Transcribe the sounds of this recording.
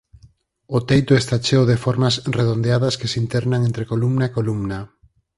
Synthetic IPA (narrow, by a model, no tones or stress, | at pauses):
ʊt̪ejt̪ʊest̪at͡ʃewðefɔɾmasreðond̪eaðɐskesint̪ɛɾnaŋẽnt̪ɾekolumnaekolumna